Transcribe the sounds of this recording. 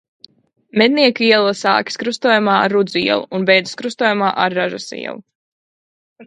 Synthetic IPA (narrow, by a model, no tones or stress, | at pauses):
mɛd̪̚niɛkiɛlˠasa̰ːkʲi̥skɾust̪ɔːjumaːaɾːud̪zuḭɛlˠṵunbɛjd̪zuskɾust̪ɔːjumaːʔaɾːaʒasḭɛ̰lˠu